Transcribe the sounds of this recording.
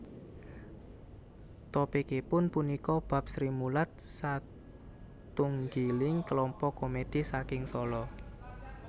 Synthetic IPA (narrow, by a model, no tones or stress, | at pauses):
t̪opekepʊnpunikɔb̥a̤p̚sɾimulat̪̚sa | t̪uŋɡilɪŋkəlɔmpɔkomed̥i̤sakɪŋsɔlɔ